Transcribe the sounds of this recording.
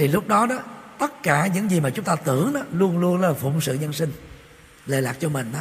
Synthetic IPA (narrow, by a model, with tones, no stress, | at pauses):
t̪ʰi˨˩lʊ˦˥k͡p̚ɗɔ˨˦ɗɔ˨˦t̪ə˦˥t̚kaː˧˩ɲɨ̰˧˥ŋzi˨˩maː˨˩t͡ɕʊ˨˦ŋ͡mt̪aː˧t̪ɨ˧˩əŋɗɔ˨˦lu˧ənlu˧ənla˨˩fʊ̰˧˨ŋ͡msɨ̰˧˨ɲə˧nsï˧ŋ̟ | le˧˩laː˨˩k̚t͡ɕɔ˧mï˨˩ŋ̟ʔ